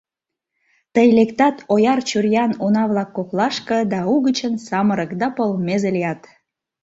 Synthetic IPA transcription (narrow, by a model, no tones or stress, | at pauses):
t̪əjlekt̪ɑt̪ojɑrt͡ɕurjɑnonɑβlɑkːoklɑʃkɤ̆d̪ɑuɣət͡ɕənsɑməɾə̆kd̪ɑpəlmezelijɑt̪